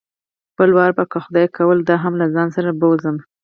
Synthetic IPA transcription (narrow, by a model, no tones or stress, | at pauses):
b̥əlwɑɾbakəxʊd̪ɑjkʰawəld̪ɑɦamlazɑnsaɾabəwzəm